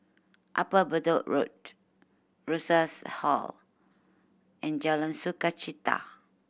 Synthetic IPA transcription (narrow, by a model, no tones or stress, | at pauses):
ʔa̰pabədoʔɹo̰t̚ | ɹusashɔ̰l | ɛ̃nd͡ʒalãnsukat͡ʃit̪a̰